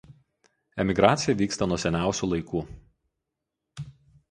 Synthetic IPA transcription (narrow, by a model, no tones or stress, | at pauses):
ɛmʲɪɡɾɑːt̪sʲɪjɛʋʲiːkst̪ɐnuɔsʲɛnʲæˑʊsʲuːˑlˠɐɪkuː